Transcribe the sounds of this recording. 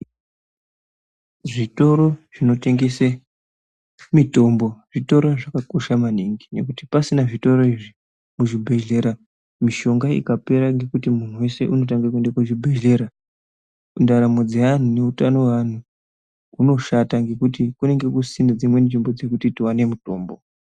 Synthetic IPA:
ʐito̞ɾo̞ʐ̥ino̞te̞ŋɡese | mito̞mbo̞ʐito̞ɾoʐakako̞ʃamaniŋɡine̞̰kuti̥pasinaʐito̞ɾo̞iʐi | muʐibʱe̞ɮe̞ɾa | miʃo̞ŋɡaḭkape̞ɾaŋɡe̞kutimun̤uwe̞se̞ʔuno̞t̬aŋɡak̬uendakuʐibʱe̞ɮe̞ɾa | undaɾamo̞d͡zean̤une̞utano̞ʋan̤u | uno̞ʃataŋɡe̞kutikune̞ŋɡe̞kusined͡zimwe̞nʐimbo̞d͡ze̞kutitiwane̞muto̞̰ːmbo̞

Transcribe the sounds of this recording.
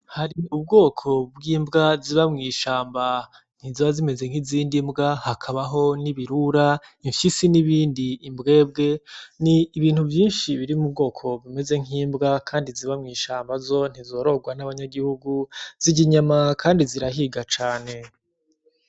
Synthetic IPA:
haɾiub̚ɡo̞ːkʰo̞bɡiːmbɡaziβamŋiːʃaːmba | n̥iziβazime̞ze̞ŋ̥iziːndimbɡahakʰaβaɦo̞niβiɾuɾaiɱfisiniβiːndiːmbɡe̞ːb̚ɡe̞niːβiːn̥huvjiːnʃiβiɾimubɡo̞ːkʰo̞bime̞ze̞ŋiːmbɡakʰaːndiziβamŋiːʃaːmbazo̞n̥izo̞ːɾo̞ɡwanaβaɲaɡihuɡuz̥iɟiɲamakʰaːndiziɾaɦiɡat͡ʃaːne̞

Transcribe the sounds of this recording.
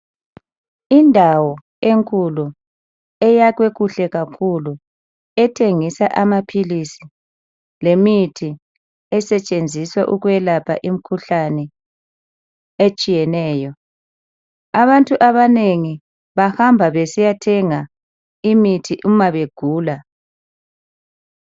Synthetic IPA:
indʱawɔ | eŋkʼulu | ɛjaɣweɣuɬɛɣakʰulu | ɛtʰeŋisaʔamapʰilisi | lemitʰi | ɛsɛt͡ʃʼend͡zʱiswaʔuɣwɛlapʰa̰ʔim̩kʰuɬanɛ | et͡ʃʼijɛnɛːjɔ | aβantʼuʔaβaneŋi | βahambʱaβesijatʰɛŋa | imitʰiʔumaβeɡ̥ʱuːla

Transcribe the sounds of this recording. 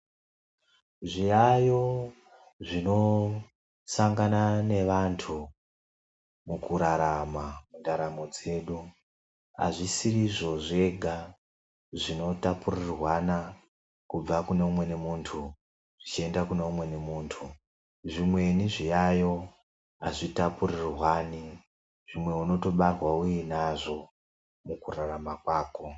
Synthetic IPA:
ʐijajo̞ | ʐino̞ | saŋɡanane̞ʋantʰu | mukuɾaɾamamundaɾamo̞d͡ze̞ːɗu | a̰ʐisiriʐo̞ʐe̞ɡʱa | ʐino̞tapurirwana | kub͡vakuneumwe̞ne̞muːntʰu | ʐit͡ʃie̞ndakune̞umwe̞ne̞muːntʰu | ʐimwe̞niʐijajo̞ | a̰ʐitapurirwaːni | ʐimwe̞uno̞to̞ɓarwaujinaʐo̞ | mukuraɾamakwaːko̞

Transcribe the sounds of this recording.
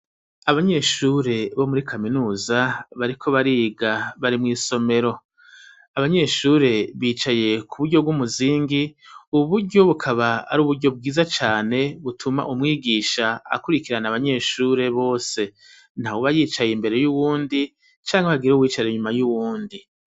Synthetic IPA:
aβaɲe̞ːʃuːɾe̞βo̞muɾikʰaminuːzaβaɾikʰo̞βaɾiːɡaβaɾimŋiːso̞me̞ɾo̞ | aβaɲe̞ʃuːɾe̞βiːt͡ʃaje̞kʰuβuɾɟo̞b̚ɡumuziːŋɡiuβuɾɟo̞βukʰaβaa̰ɾuːβuɾɟo̞b̚ɡiːzat͡ʃaːne̞βutʰuma̰ʔumŋiːɡiːʃaa̰kuɾikiɾanaβaɲe̞ːʃuːɾe̞βo̞ːse̞ | n̥hawoβajiːt͡ʃajimbe̞ɾe̞juβuːndi | t͡ʃaːŋheβaɡiɾuβwiːt͡ʃaɾeɲumajuβuːndi

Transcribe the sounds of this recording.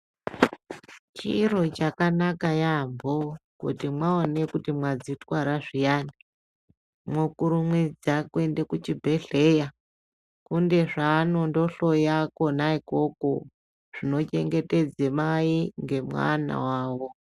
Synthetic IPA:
t͡ʃiro̞t͡ʃakanakajambʱokṵtimwaone̞kutimwad͡zitwaɾaʐijani | mwokuɾumwid͡zakwe̞nde̞kut͡ʃibʱe̞ɬe̞ja | kunde̞ʐaːno̞ndo̞ɬo̞jakonaiko̞ko̞̰ | ʐ̥ino̞t͡ʃe̞ŋɡe̞te̞d͡zemaiŋɡe̞mwa̰na̰waːwo̞

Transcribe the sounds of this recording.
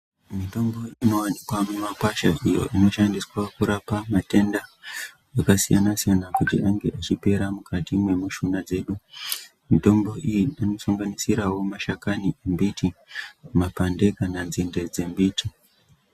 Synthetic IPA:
mito̞mbo̞ino̞wanikwamumakwaʃaʔijo̞̰ʔino̞ʃandiswakuɾapamate̞ndaː | kasijanasijanakutḭʔaŋɡe̞ʔat͡ʃipe̞ɾamukʰatimwe̞muʃunad͡ze̞ːɗu | mito̞mbo̞ʔijiano̞suŋɡanisiɾawo̞maʃakaniembitʰimapande̞kananzinde̞d͡ze̞mbiːti

